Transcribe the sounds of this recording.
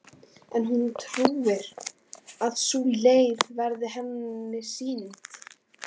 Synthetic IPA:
ɛnɦunt̪ʰɾuːvɪɾ | aðsuːleːjðvɛɾðɪɦɛnːɪsiːnɪnt̪

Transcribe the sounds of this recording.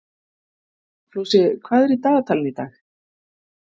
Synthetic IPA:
flowsɪkʰvaːðɛɾit̪aːɣat̪ʰalɪnit̪a̰ːx

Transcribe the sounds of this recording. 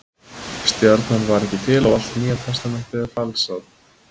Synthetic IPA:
st̪jœɾt̪nanvaɾɛhcːɪt̪ʰɪlawal̥t̪miːat̪ʰast̪anaht̪ɪɾfalsað

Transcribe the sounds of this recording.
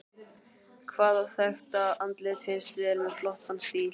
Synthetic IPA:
kʰvaːðaθœxt̪aant̪lɪt̪fɪnst̪vɪɾmɛðflɔht̪anst̪iːl

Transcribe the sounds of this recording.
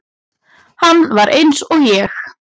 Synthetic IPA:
hanːvaɾʔejnsɔɣjɛx

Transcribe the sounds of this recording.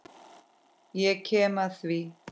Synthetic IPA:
jekʰemaθwi

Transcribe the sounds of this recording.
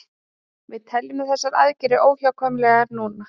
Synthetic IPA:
vɪðt̪ʰɛljʏmɪθɛsːaɾa̰ðcɪɾɪʔoːwçawkʰœːmlɛɣaɾnuːna

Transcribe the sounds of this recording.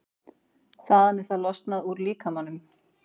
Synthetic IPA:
θaðanɛɾ̥θalɔst̪naðuɾliːkamanːʏm

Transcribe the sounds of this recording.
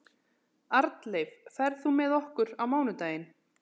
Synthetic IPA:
aɾt̪lejvfɛɾðθumɛːðɔhkʏɾawmaːwnʏt̪aːjɪn

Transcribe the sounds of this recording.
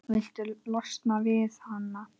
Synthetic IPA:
vɪl̥t̪ʏlɔst̪navɪθhanːa

